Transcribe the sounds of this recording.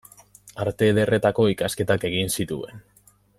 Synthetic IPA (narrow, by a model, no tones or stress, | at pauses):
aɾt̪e̞ðe̞re̞t̪ako̞ikaske̞t̪ake̞ɣinsit̪ue̞̰n